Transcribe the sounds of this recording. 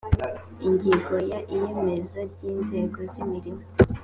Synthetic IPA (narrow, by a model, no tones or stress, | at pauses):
iɲɟiɡo̞jaʔijemezaɾɟiːnze̞ːɡo̞zimiɾimo